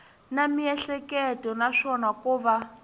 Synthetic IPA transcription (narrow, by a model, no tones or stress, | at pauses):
namiɛɬɛkɛtɔnaʂɔnakuːβa